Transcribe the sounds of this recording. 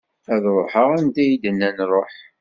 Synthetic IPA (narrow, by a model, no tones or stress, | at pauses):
æðɾˤoħəʁænt̪æjid̪ənːænrˤoħ